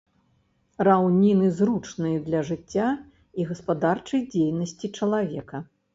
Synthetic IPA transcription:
rawnʲinɨzɾut͡ʂnɨjɐd̪lʲɐʐɨt͡sʲːa | iɣɐspad̪art͡ʂɐjd͡zʲejnɐsʲt͡sʲit͡ʂɐlˠavʲɛkɐ

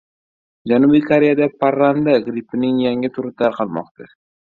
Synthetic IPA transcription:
d͡ʒanubijkʰoɾejad̪apʰaɾːand̪aɡɾipɪnɪŋjaŋɪt̪ʰʊɾʊt̪ʰaɾqʰɑlˠmɒ̰qt̪ʰa

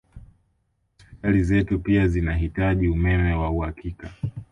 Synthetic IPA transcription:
halizɛtupiazinaɦitaʄiumɛmɛwauhakika

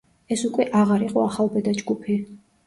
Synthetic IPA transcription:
ɛsukʼwɛʔaʁaɾiqʼɔaχalˠbɛd̪ad͡ʒɡupʰi

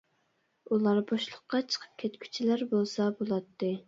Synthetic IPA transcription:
ulˠɑɾboʃlˠəqːɑt͡ʃʰə̥qʰə̥p̚kʲʰɛt̪kʲʰy̥t͡ʃʰilæɾbolˠsɑbolˠɑt̪ʰːɨ

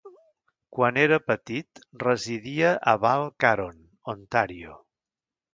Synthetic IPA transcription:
kwaneɾəpət̪it̪rəziðiəʔəβalˠkaɾon | ont̪aɾio̰

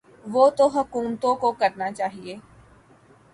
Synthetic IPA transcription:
ʋoːt̪oɦʊkuːmt̪õkokəɾnat͡ʃaːɦieː

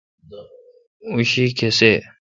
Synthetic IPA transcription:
uɕiːkʰese

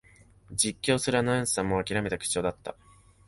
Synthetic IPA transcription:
d͡ʑikʲːo̞ːsɨɾɯanoẽɰ̃sɨ̥ãmːo̞akʲiɾamet̪akɯ̥t͡ɕo̞ːd̪at̪ːa̰

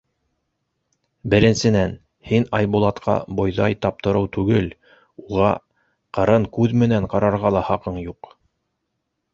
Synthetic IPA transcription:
bɘ̆ɾɘ̆nsɘ̆næn | hinɑjbulˠɑt̪qʰɑ̰bŏjðɑjt̪ɑp̚t̪ɤ̆ɾɤwt̪ʉɡɘl | uʁɑ | qɤ̆ɾɤɴkʉðmɘ̆næɴqɑɾɑɾʁɑlˠɑhɑqɤɴjuq

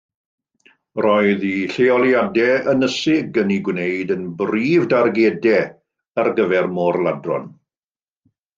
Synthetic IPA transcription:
rɔɨðiɬeɔlˠjadɛənəsɪɡəniɡwnejdənbriːvdarɡɛdɛ | ərɡəvɛrmɔrlˠadrɔ̰n

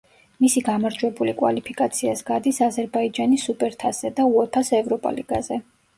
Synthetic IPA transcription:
misiɡamaɾd͡ʒwɛbulikʼwa̰lipʰikʼat̪sʰiasɡad̪isazɛɾbaid͡ʒanisupʼɛɾt̪ʰasɛd̪auɛpʰasɛvɾɔpʼa̰lḭɡ̥a̰zɛ

